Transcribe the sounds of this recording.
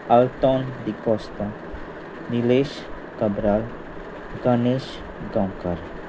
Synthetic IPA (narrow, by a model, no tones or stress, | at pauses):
ɐlt̪ɔnd̪ikɔst̪a | nileʃ | kɐbɾal | ɡaneʃ | ɡãwkaɾ